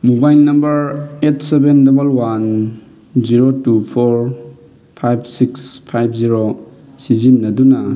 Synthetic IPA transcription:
mubajlnɐmbɐɾetsebendebɐlwan | ziɾotupʰoɾ | pʰajp̚ʰsikspʰajpʰziɾo | sizinːɐdunɐ

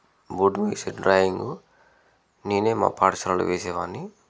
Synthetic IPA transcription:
boɖuʋeːseɖɾaːjiŋɡu | niːneːma̰ːpaːʈsɐɾalṵʋeːsɛːʋaːnːi

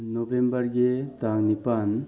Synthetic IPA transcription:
noʋembɐɾɡet̪aŋnipan

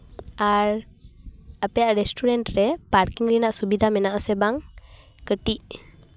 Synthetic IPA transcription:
aɾ | əpɛjaʔɾɛsʈuɾɛɳʈɾɛpaɾkiŋɾinaʔsubid̪ʱamɛnaʔsɛbaŋ | kəʈiʔ

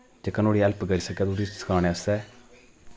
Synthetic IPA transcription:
d͡ʒekənoːɽiːɛlpɡəɾiːsəkɛːt̪ud̪iːsə̥kʰaːɽ̃eːəsɛː

